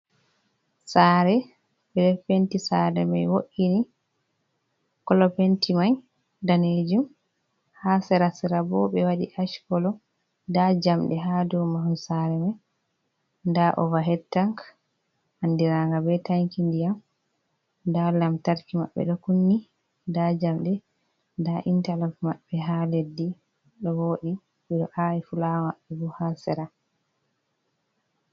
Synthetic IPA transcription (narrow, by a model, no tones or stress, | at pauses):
saːɾɛ | bɛdɛɾfentisaɾɛ̰ma̰jwoʔini | kɔlɔpentimaɲ | daned͡ʒum | hasɛɾasɛɾabɔbɛwaɗḭʔaʃkɔlɔ | dad͡ʒamɗɛɦadumahunsaɾɛmaj | ndaʔɔ̰vaɦɛtːaŋk | handiɾaŋɡabɛtaŋkindijam | dalamtaɾkima̰ɓːɛ̰ɗɔkunːi | dad͡ʒamɗɛ | ndaʔintalɔfmaɓːɛɦaledːi | ɗɔwoːɗi | ɓɛɗɔʔajɛfulamaɓːɛbuhasɛɾa